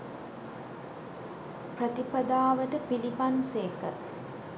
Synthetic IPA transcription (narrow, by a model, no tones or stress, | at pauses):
prət̪ipɐd̪aːʋəʈəpilipanseːkə̰